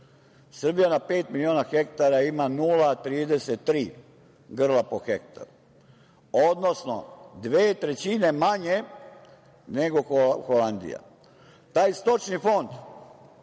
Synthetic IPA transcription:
srbijanape̞ːt̪milio̞ːnaxe̞kt̪aɾaimanuːlat̪ɾiːd̪e̞set̪ːɾiː | ɡr̩lapoxek̚t̪a̰ɾu | o̞d̪no̞sno̞̰d̪ʋeːt̪ɾe̞t͡ɕine̞maɲe̞ | ne̞ɡo̞xoland̪ḭja̰ | t̪aːjst̪o̞t͡ʃnifo̞nd̪

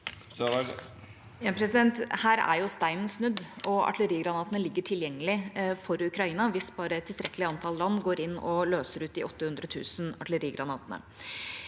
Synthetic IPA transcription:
jɑpʰɾɛsɪd̪ɛnt̪hæːɾæ̰ɾjʊst̪æɪmənsnʉd̪ːɔɑ̰ʈʰləɾiːɡɾɑnɑːt̪ənəlɪɡːəʈʰɪljɛŋːəlɪfɔɾʉkɾɑiːnɑʋɪsbɑːɾəɛt̪ːɪlst̪ɾɛkːəlɪɑnt̪ʰɑllɑnːɡoːɾɪnːɔløːsəɾʉːt̪̚d̪ɪɔt̪ːəhʉnd̪ɾət̪ʰʉ̰ːsnɑʈʰləɾiːɡɾɑnɑːt̪ənə̰

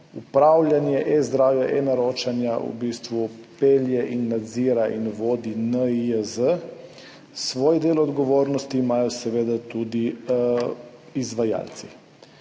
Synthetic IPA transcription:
upɾaːwlʲjanjɛʔɛzd̪ɾaːwjɛʔɛnaɾoːt͡ʃanjaṵbist̪ʋupeljɛʔinːad̪ziːɾaʔinʋoːd̪inəiəzə | sʋoːjd̪eːlɔd̪ɡɔʋoːɾnɔst̪imaːjɔsɛʋeːd̪at̪ud̪i | izʋaja̰ːlt̪si

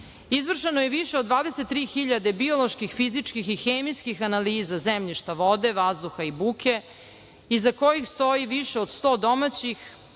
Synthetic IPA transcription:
izʋr̩ʃenojeʋiʃeod̪ʋaːd̪eset̪ːɾiːxiʎad̪e̞bio̞lo̞ʃkixfizit͡ʃkixixeːmiskixanaliːzazemʎiʃt̪aʋo̞d̪e̞ʋazd̪uxaibuːke̞ | izako̞jixst̪o̞jiʋiʃeod̪st̪o̞ːd̪o̞mat͡ɕix

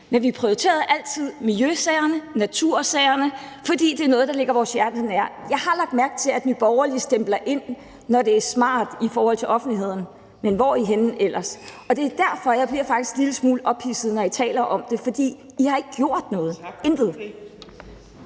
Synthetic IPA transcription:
menʋipʰʁiot͡sʰe̝̰ːɐðˠʔæl̰t͡sʰið̰ˠmiljøsɛɪɐnənæt͡sʰuɐ̰sɛɪɐnəfɒ̽d̥ḭːd̥e̝æɐnɔ̽ːð̞̩ˠd̥ɑ̈le̝ɡ̥ɐʋɒːsjæɐd̥ənæɐ̰jɑ̈ɪhɑ̈lɑ̈ɡ̥̚d̥̚mæɐɡ̥̚t͡sʰe̝læd̥nyb̥ɒʊɐlisd̥emb̥lɐʔe̝n̰ː | ɒɾe̝æɐsmɑ̰̈ːd̥ifɒːhɒ̽l̰t͡sʰe̝lʔɒ̽fn̩dliɦe̝ð̰ˠn̩ | menʋɒiɦen̩el̰ʔɐsɒ̽d̥e̝æd̥æɐ̰fɒ̽jɑ̈ɪb̥liɐfɑ̈ɡ̥d̥isɡ̥liləsmuːlʔɒ̽b̥hisð̞̩ˠnɒit͡sʰɛ̰ːlɐʔɒ̽md̥e̝fɒ̽d̥ḭː | ihɑ̈e̝ɡ̥əɡ̥jo̝ɐ̰d̥nɔ̽ːð̞̩ˠend̥ð̞̩ˠ

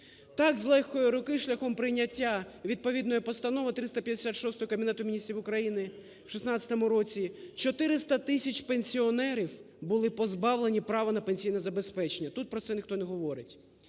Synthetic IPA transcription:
t̪ɑkzlˠɛxkɔjiɾʊkɪʃlʲɐxɔmpɾɪjnʲɐtʲːa | ʋʲid̪̚pɔʋʲid̪nɔjɔpɔst̪ɐnɔʋɐt̪ɾɪst̪ɐpʲjɐd̪ʲesʲat̪ʃɔst̪ɔɦɔkɐbʲinɛt̪ʊmʲinʲist̪ɾʲiʋʊkɾɐjinɪ | wʃisnɑt͡sʲɐt̪ɔmʊɾɔt͡sʲit͡ʃɔt̪ɪɾɪst̪ɐt̪ɪsʲɐt͡ʃʲpenʲsʲiɔnɛɾʲiw | bʊlˠɪpɔzbɑwlˠenʲipɾɑʋɐnɐpenʲsʲijnɐzɐbespɛt͡ʃenʲːɐt̪ut̪̚pɾɔt̪sɛnʲɪxt̪ɔnɛɦɔʋɔɾɪtʲ

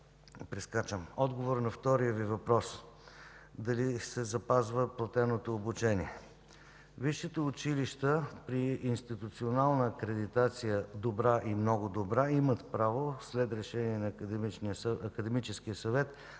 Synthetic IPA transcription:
pɾɛskat͡ʃəmɔd̪ɡovoɾnɐft̪ɔɾijəvivɐpɾɔs | d̪ɐlisɛzɐpazvəplˠɐt̪ɛnot̪oːbut͡ʃɛniɛ | viʃːɛt̪ɛʊt͡ʃiliʃt̪əpɾiːnst̪it̪ut̪sionalˠnəːkɾɛd̪it̪at̪sijəd̪obɾaʔimnɔɡʊd̪obɾaimət̪pɾavoslɛt̪ɾɛʃɛniɛnit͡ʃniəɐkəd̪ɛmit͡ʃɛskijəsɐvɛt̪

